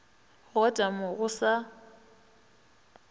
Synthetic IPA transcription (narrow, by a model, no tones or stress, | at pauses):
ɣɔtʼamʊɣʊsa